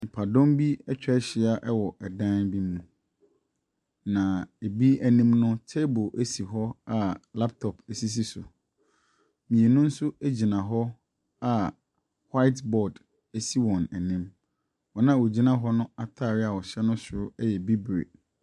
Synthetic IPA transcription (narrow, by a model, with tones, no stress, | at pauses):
m̩̃˨pʰa˨dɔ̃˦mbi˦ɛ˦t͡ɕᶣɛ˦ɕɪ˨a˨ʔɛ˦wɔ˨ʔɛ˨dã˦nbi˦mmũ˨ | nã˨e˨bi˦æ˨nĩ˦mnʊ̃˦tʰe˦bo˨ʔæ˦si˨ɦɔ˦a˨la˦p̚tʰɔ˨pʰæ˨si˦s̬i˦sʊ̰˨ | mĩ˨e˨nʊ̃˦n̩˦sʊ˦æ˦d͡ʑi˨nã˨ɦɔ˦ | a˨ | wa˦ɪ˦tbɔ˨d | æ˦si˦wɔ̃˨næ˨nĩ˦m | wɔ˨nã˦˨wo˨d͡ʑi˦nã˦ɦɔ˦nʊ̃˦a˦tʰa˦˨ɾɪ˦a˨wɔ˨ɕɛ˦nʊ̃˦sʊ˨ʊ˦ɛ˦jɛ˨bi˦bɾḛ˨